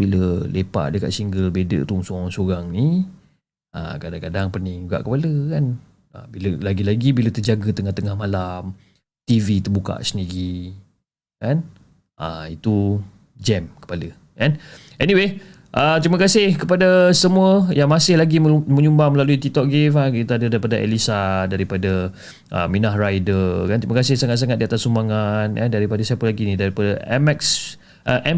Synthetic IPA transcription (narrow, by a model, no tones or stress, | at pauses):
biləlepa̰ʔ̚dəka̰ʔ̪siŋɡəlbedə̰ʔt̪uŋsoɣaŋsuɾaŋni | ʔa̰kadaŋkadaŋpənɪŋd͡ʒuɡa̰ʔkəpaləkan | a̰biləlaɡilaɡibilət̪əd͡ʒaɡət̪əŋaht̪əŋahmalam | t̪ivit̪ərbuka̰ʔsəniɣi | kan | ʔa̰it̪u | d͡ʒɛmkə̥palə | kan | ɛniwe | ʔət̪ɾiməkasɪhkəpadasəmuəjaŋmasɪhlaɡimə̃ɲumbaməlaluit̪it̪ɔk̚ɡefakit̪adədaɾipadaʔɛ̰lisadaɾipadə | ʔə̰minahrajdəkant̪ɾimakasɪhsaŋat̪̚saŋat̪̚diat̪asumaŋanka̰ndaɾipadasɛpəlaɡinidaɾipadaɛmɛks | ʔəʔɛ